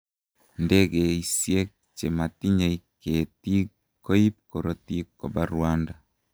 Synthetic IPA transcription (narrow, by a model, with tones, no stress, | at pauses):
nde˦ɣe˨i˨sje˦ | t͡ʃe˨ma˨ti˦ɲa˨iketi˦ | ko˦i˦p̚ko˨ɾoti˦ko˨baɾwanda